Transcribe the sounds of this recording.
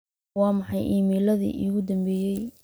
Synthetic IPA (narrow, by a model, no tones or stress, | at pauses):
wɑːmɑħɑjʔiːmiːlɐðḭːʔḭɣʊd̪ɐmbɛːjɛj